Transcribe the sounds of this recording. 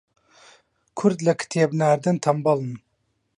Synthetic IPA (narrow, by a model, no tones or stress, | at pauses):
kʰuɾd̪lɐkʰi̥t̪ʰebnaɾd̪ɨnt̪ʰɐmbɑlˠɨn